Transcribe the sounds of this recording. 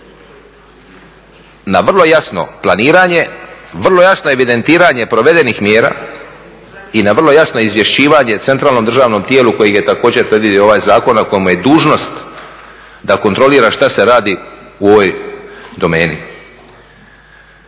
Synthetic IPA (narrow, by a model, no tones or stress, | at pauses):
naʋr̩lˠo̞jasno̞̰planiːɾaɲe̞ʋr̩lo̞jasno̞e̞ʋid̪e̞nt̪iːɾaɲe̞pɾo̞ʋe̞d̪enixmjeːɾa̰ː | inaʋrlˠo̞jasno̞izʋje̞ʃiːʋaɲe̞t̪se̞nt̪ɾaːlˠno̞md̪r̩ʒaːʋno̞mt̪je̞ːluko̞jiɡje̞t̪ako̞ːd͡ʑet̪ɾed̪ʋid̪ijoo̞ʋaːjzaːko̞nako̞jemuje̞d̪uːʒno̞st̪ | d̪ako̞nt̪ɾo̞liːɾaʃt̪aseɾaːd̪iuo̞ʋojd̪o̞me̞ːni